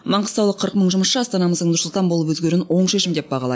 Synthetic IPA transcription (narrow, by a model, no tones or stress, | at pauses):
mɑɴʁəst̪ɑwlˠəqʰəɾəq̚məɴʒʊməsʃəɑst̪ɑnɑməzd̪əɴnʊɾsʊlˠt̪ɑnbo̞lˠəp̬wɵzɡʲe̞ɾɪnwo̞ɴʃe̞ʃɪmd̪e̞p̚bɑʁɑlˠɑ̰d̪